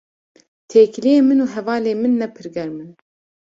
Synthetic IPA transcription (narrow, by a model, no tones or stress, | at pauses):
t̪ʰeːklijeːmɨnuːɦɛvɑːleːmɨnːɛpʰɨɾɡɛɾmɨn